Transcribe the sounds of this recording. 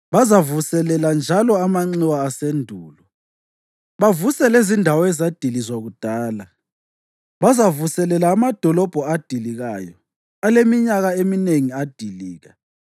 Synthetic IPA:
βazavusɛlɛland͡ʒʱalɔamaŋ͡ǀiwaːsendʱuːlɔ | βavusɛlezindʱawɔɛzad̥ʱilizwaɣud̥ʱaːla | βazavusɛlɛlaːmad̥ʱɔlɔb̥ʱɔad̥ʱiliɣaːjɔ̰ | alemiɲaɣaemineŋiad̥ʱiliːɣa

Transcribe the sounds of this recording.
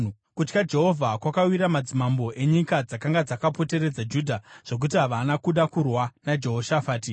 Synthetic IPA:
kut͡ʃkad͡ʒe̞ɦo̞vʱakwakawiɾamad͡zimambo̞ʔe̞ɲikad͡zakaŋɡad͡zakapo̞te̞ɾe̞d͡zad͡ʒudʱaʐ̥o̞k̬utiɦaʋanakuɗakurwanad͡ʒe̞ɦoʃafaːti

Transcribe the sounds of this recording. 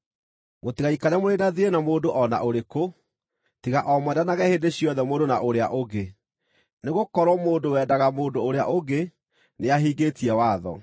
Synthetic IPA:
motiɣaikaɾɛmoɾeːdaðienamoːdoʔɔna̰ʔoɾeko | tiɣaʔɔmwɛdanaɣɛheːndeɕiɔðɛmoːdonaʔoɾeaʔoɡe | neɣokɔɾɔmoːndowɛːdaɣamoːndoːɾea̰ʔoɡe | neaɦiːɡeːtiɛwaːðɔ̰

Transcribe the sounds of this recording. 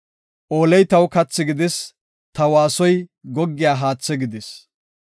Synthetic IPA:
ʔoːlɛjt̪ɐwkɐt͡sːɪɡɪd̪ɛs | t̪ɐwaːsɔjɡɔɡːɪjaːɦaːt͡sːɛɡɪd̪ɛs

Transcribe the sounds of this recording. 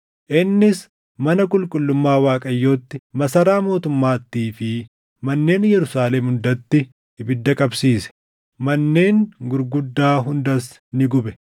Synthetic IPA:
ʔɪnːɪs | mɐnɐkʼʊlkʼʊlːʊmːaːwaːkʼɐjːo̞ːt̪ːɪmɐsɐɾaːmo̞ːt̪ʊmːaːt̪ːiːfɪ | mɐnːe̞ːnjɛɾʊsaːlɛmhʊnd̪ɐt̪ːɪ | ɪbɪd̪ːɐkʼɐbsiːsɛ̥ | mɐnːe̞ːŋɡʊɾɡʊd̪ːaːɦʊnd̪ɐs | nɪɡʊbɛ

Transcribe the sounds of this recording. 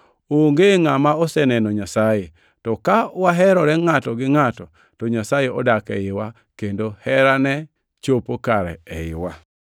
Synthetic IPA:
oŋɡeŋamaɔsɛnɛnɔɲasaje | tɔkawaɦɛɾɔɾɛŋatɔɡɪŋatɔ | tɔɲasajeɔdakɛɪwa | kendohɛɾanɛ | t͡ʃopokaɾɛ̰ɛ̰ɪ̰wa

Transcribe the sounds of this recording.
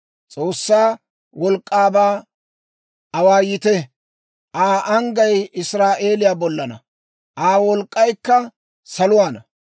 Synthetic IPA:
t͡sʼoːsːaː | wɔlkʼːaːbaː | ɐwaːjɪt̪ɛ | ʔaːʔɐŋɡɐjɪsɾaːʔe̞ːlɪjaːbɔlːɐnɐ̰ | ʔaːwɔlkʼːɐjkːɐ | sɐlʊwaːnɐ

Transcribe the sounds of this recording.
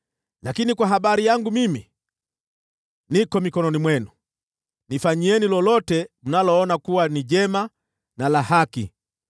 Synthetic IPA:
lakinikwaɦaɓaɾijaŋɡumimi | nikɔmikɔnɔnimwɛnu | nifaɲiɛnilɔlɔtɛm̩nalɔɔnakuwaniʄɛma | nalahakḭ

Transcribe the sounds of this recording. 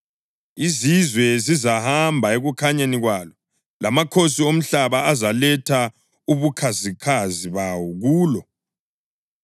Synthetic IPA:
izizwɛzizahambʱaeɣukʰaɲaniɣwaːlɔ | lamakʰosiom̩ɬaβaazalɛtʰa | uβukʰazikʰaziβawɔɣuːlɔ

